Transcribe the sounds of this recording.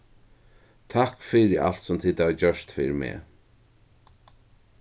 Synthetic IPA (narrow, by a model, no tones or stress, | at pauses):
t̪ʰahkfiɾɪa̰l̥t̪sʊmt̪ʰɪːd̪avt͡ɕœʂt̪fiːɾɪmɛ̰ː